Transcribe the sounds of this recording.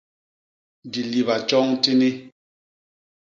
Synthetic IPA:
di˨li˨βa˨t͡ʃɔ˦ŋti˦ni˦

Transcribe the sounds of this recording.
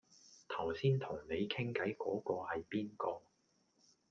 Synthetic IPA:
t̪ʰɐ˨˩wsiː˥nt̪ʰʊ˨˩ŋne˨˧jkʰɪ˥ŋkɐ˨˥jkɔː˨˥kɔː˧hɐ˨jpiː˥nkɔː˧

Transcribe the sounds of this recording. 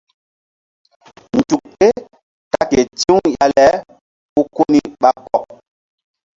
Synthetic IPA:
n̩˨tu˨k̚te˦ | ka˦ke˨ti˦u˦ja˨lɛ˦ | u˦ko˦ni˦ɓa˦kɔ˦˨k̚

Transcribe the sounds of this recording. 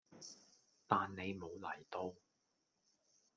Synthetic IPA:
t̪aː˨nne˨˧jmo˨˧wlɐ˨˩jt̪o˧w

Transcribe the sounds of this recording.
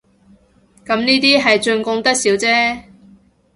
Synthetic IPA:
kɐ˨˥mniː˥t̪̬iː˥ɦɐ˨jt͡ʃɵ˧ŋkʊ˧ŋt̪ɐ˥k̚siː˨˥wt͡sɛː˥

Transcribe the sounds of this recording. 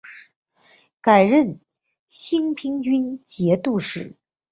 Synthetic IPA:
ka˨˩ɪɻə˥˩n | ɕi˥ŋpʰi˥ŋt͡ɕy˥nt͡ɕjɛ˧˥t̪u˥˧ʂɻ̩˥˩

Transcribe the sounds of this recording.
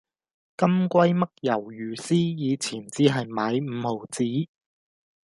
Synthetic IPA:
kɐ˥mkʷɐ˥jmɐ˥k̚jɐ˨˩wjyː˨˩siː˥jiː˨˧t͡sʰiː˨˩nt͡siː˨˥ɦɐ˨jmaː˨˧˥jm̩ː˨˧ho˨˩wt͡siː˨˥

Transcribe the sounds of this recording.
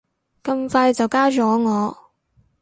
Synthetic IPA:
kɐ˧mfaː˧jt͡sɐ˨wkaː˥t͡ʃɔː˨˥ŋɔː˨˧˦

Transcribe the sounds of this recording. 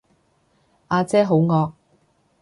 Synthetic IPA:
ʔaː˧t͡sɛː˥ɦo˨˥wŋɔː˧k̚

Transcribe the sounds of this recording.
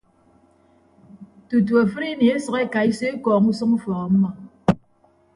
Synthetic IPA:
tu˨t̬u˨a˨fɨ˦ɾi˦ni˨e˦sʌ˨ke˦ka˨i˦se˦kɔː˨kŋ̩˦sɔ˦ŋu˦fɔ˨ɣɔ˨m̩˦ma˦˨

